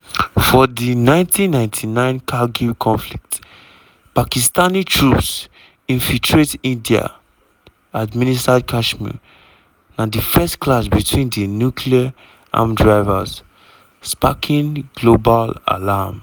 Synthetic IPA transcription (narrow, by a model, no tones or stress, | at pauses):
fɔdinãɪ̃ntʰĩnːãɪ̃ntʰinãɪ̃nkʰaɡukʰɔ̃nflik̚t | pakistanitʰɹups | ĩnfiltʰɹetĩndia̰ | administad̚kʰaʃmḭ | nadifɛstkʰlasbitʰwĩndinjukʰlia | ʔã̰mdɹaɪvaz̥ | spakʰĩnɡlobala̰lam